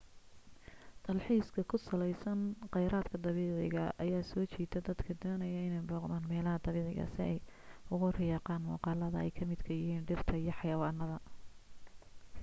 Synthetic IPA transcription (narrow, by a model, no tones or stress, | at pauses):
t̪ʰɐlħiːskʰɐkʰʊsɐlɛjsɐnqɑjɾaːd̪kʰɐd̪ɑβiːʕɪɣɐʔɐjaːsɔːt͡ʃiːd̪ʰɛd̪ɐd̪kʰɐd̪ɔːnɐjɐɪnɛjbɔːqmaːnmɛːlɐɦɐd̪ɐβɪːʕɪ̰ɣɐ̰sɪɛjʊɣʊrɪjɑːqɑːnwɑ̰qɑːlɐðɐɛ̰jkʰɐmɪd̪kʰɐjɪɦiːnɖɪrt̪ʰɐijɞħɑjɐːwɑːnːɐðɐ